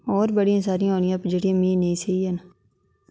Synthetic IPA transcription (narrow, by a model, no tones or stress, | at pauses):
ɔːɾbəɽijãːsaːɾijãɦoːnɪjãːpd͡ʒəɽiãːmĩːneĩseiən